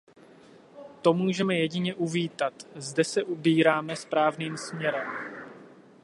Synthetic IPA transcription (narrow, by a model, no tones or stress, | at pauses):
t̪o̞muːʒɛmɛjɛɟɪɲɛʔuviːt̪at̪zdɛsɛʔubiːɾaːmɛspɾaːvniːmsmɲɛɾɛm